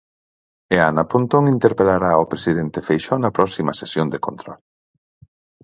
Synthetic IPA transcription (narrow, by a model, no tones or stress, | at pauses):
eanapont̪oŋint̪eɾpelaɾaopɾesið̞ent̪efejʃɔnɐpɾɔsimɐsesjond̪ekont̪ɾɔl